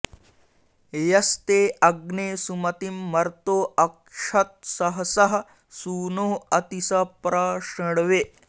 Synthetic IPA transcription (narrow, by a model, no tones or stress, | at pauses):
jɐst̪eʔɐɡnesumɐt̪imːɐɾt̪oːɐkʂɐt̪̚sɐɦsɐɦ | suːnoɐt̪isɐpɾaʂəɽʋe